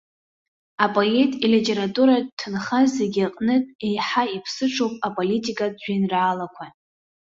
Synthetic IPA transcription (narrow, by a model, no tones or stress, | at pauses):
apʼo̞etʼilitʼe̞ɾatʼuɾatʰːɨnχazeɡʲaqʼnɨtʼe̞jħaipʰsɨʈ͡ʂʰowpʼapʼolitʼikʼadd͡ʒʷᶣinraːlakʷʰa